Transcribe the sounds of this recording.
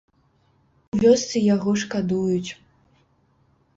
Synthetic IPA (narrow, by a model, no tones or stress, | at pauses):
uvʲɔst̪sɨjaɣɔʂkad̪ujut͡sʲ